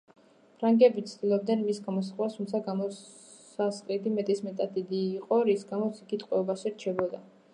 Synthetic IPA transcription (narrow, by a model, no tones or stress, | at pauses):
pʰɾaŋɡɛbit̪sʰd̪̥ilˠɔb̚d̪nɛnmisɡamɔs̬χast̪ʰumt̪sʰaɡamɔ | asqʼid̪imɛt̪ʼismɛt̪ʼat̪̚d̪id̪iːqʼɔɾisɡamɔt̪sʰiɡit̪ʼqʼwɛɔbaʃiɾt͡ʃʰɛbɔd̪a